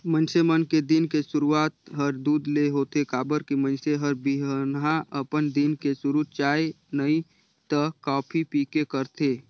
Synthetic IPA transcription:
mənsemənked̪inkeʃʊɾuaːt̪ɦəɾd̪uːd̪leɦoːt̪ekaːbəɾkimə̃nseɦəɾbiɦnɦãʔəpənd̪inkesʊɾut͡ʃaːe | nəi | t̪əkɔːpʰipiːkekəɾt̪eː

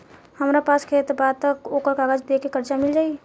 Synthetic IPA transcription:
həmɾapaːskʰeːt̪baːd̪̚t̪əkoːkəɾkaːɡəd͡ʒd̪ekekəɾt͡ʃamɪld͡ʒaːi

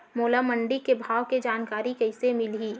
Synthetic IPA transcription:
moːlaməɳɖikebʱaːʋked͡ʒaːnkaːɾikɐɪsemɪlɦiː

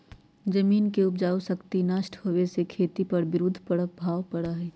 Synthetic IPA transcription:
d͡ʒɐmiːnkeʊpd͡ʒaːusɐkt̪inaːʃʈʰhoːʋesekʰeːt̪ipɐɾbɪɾʊd̪ʱpɐɽək̚bʱaːʋpɐɽaɦɛː

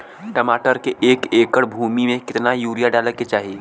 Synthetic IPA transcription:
ʈɐmaːʈəɾkeʔeːkeːkəɽbʱuːmimẽkɪt̪najuːɾijaɖaːləket͡ʃaːɦieː

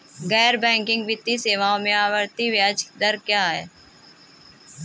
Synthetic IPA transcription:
ɡɛːɾbɛ̃ːŋkɪ̃ŋɡʋɪt̪ːiseːʋaːõmẽaːʋəɾt̪iʋjaːd͡ʒd̪əɾkjaːɦɛː

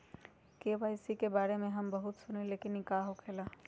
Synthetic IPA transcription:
keʋajsikebaɾemeɦəmbəɦut̪sunilekinikaɦokela

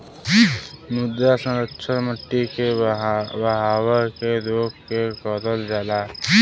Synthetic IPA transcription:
mʊd̪ːasə̃ɾətʃʰənməʈːike | bəɦaːwəɾked̪oːkkekɔːd̪əld͡ʒaːla

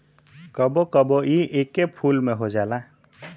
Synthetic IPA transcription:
kəbokəboiʔeːkepʰuːlmẽɦod͡ʒaːla

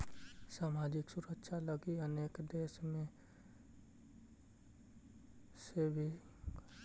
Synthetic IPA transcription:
saːmaːd͡ʒɪksʊɾəkʃʰaləɡiəneːkd̪eːʃmẽ | sebʱi

